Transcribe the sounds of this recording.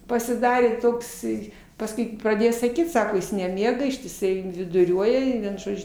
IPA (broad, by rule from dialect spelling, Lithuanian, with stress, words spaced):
pɐsʲɪˈdɑːrʲeː toːkˈsɐɪ pɐsˈkʊɪ prɐˈdʲeːjoː sɐˈkʲiːt ˈsɑːkoː ˈjɪs nʲɛˈmʲiɛɡɐ ɪʃʲtʲɪˈsɐɪ ʋʲɪdʊˈrʲuɔjɛ ɪ ˈʋʲiɛn ˈʒoːd͡ʒʲʊ